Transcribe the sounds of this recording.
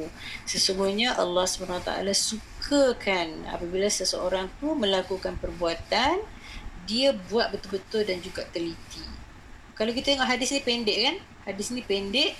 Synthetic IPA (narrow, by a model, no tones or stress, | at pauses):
səsumuɲaʔɑ̰lːɑhsəbanawat̪a̰ʔa̰lasukʰakʰana̰pabilasəsəoɾaŋt̪umə̃lakukanpərbuat̪an | diabuat̪̚bət̪ʊlbət̪ʊldand͡ʒuɡaʔt̪əlit̪i | kalawkit̪at̪əŋɔʔɦadɪsinĩpendɛʔkan | hadɪsinipendɛʔ